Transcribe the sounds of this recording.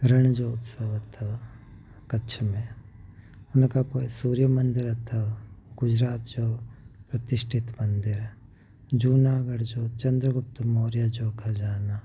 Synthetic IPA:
ɡɾɐɳ̃d͡ʒoːʊt̪səʋɐt̪ʰə | kɐtːʃʰmẽ | ʊnkapoːisuːɾjəmɐnd̪ɪɾɐt̪ʰəɡʊd͡ʒɾaːt̪d͡ʒoːpɾɐt̪ɪʃʈʰɪt̪mɐnd̪ɪɾ | d͡ʒuːnaːɡəɽd͡ʒoːt͡ʃɐnd̪ɾəɡʊp̚t̪moːɾjad͡ʒoːkad͡ʒaːnaː

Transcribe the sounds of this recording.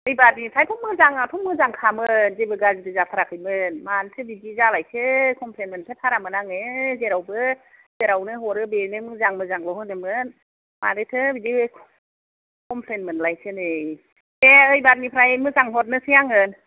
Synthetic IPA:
ɯjbat̚nipʰɾajpʰɔmːɯzaŋatʰɔmːɯzaŋkʰamɯnzebɯɡazitʰɯzat̪ʰaɾakʰɯjmɯnmantʰɯbidizalajsʰɯkʰɔmpʰlenmɯntʰɯtʰaɾamɯnaŋezeɾawbɯ | zeɾawnɯɦɔɾɯbenɯmɯzaŋmɯzaŋlɔhɯnɯmɯn | ma̰nɯtʰɯbidiɯkʰ | kʰɔmpʰlenmɯnlajsʰɯnɯ | eɯjbat̚nipʰɾajmɯzaŋɦɔt̬̚nɯsijaŋɯn

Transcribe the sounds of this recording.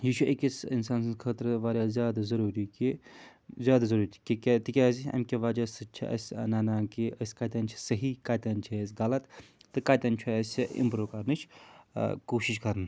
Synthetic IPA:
jiːʃʰuʔekisinsaːnsɨnkʰəːt̪ɾʋaːɾʲaːzjaːd̪azɐɾuːɾiki | zʲjaːd̪azɐɾuːɾt̪ʰikikʲet̪ikʲaːziɐ̰mʲkʲiʋad͡ʒasɨt͡ʃʰḭʔɐ̰sʲnaːnaːkiəsʲkɐːt̪ʲɐnt͡ʃʰi̥sɐɦikɐt̪ʲɐnt͡ʃʰisʲɡɐlɐt̪t̪ɨkaːt̪ʲɐnt͡ʃʰuɐsʲɐḭmpɾoːkɐɾnɨt͡ʃʰ | koːʃiʃ̬kɐɾn

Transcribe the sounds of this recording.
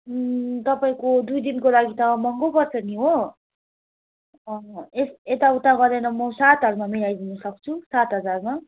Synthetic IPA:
t̪ʌpaĩkod̪ujd̪inkolaɡit̪ʌmʌŋɡopʌrt͡sʰʌniɦo | ʌeset̪aut̪aɡʌrd̪ʌnʌmʌsat̪ɦʌrmamilajd̪ʱunʌsʌk̚t͡sʰusat̪ɦʌd͡zarma

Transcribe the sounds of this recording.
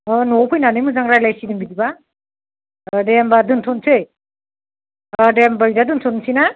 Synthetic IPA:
ɔnopʰɯjnanɯjmɯzaŋɾajlajsidɯŋbidiba | dembadɯntʰɔnsʰɯj | dembajdadɯntʰɔnsina

